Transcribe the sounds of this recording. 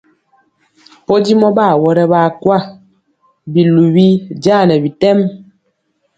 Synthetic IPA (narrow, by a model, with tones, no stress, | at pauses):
pɔ˦di˦mɔ˦ba˦˨wɔ˦ɾɛ˦ba˨kwa˦˨ | bi˨lu˨bi˦d͡ʒaː˦˨nɛ˨bi˨tɛ˦m